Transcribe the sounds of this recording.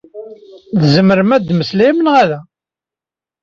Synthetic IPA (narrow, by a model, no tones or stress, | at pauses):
ðzəməɾəmæd̪məslæmənʁæðæ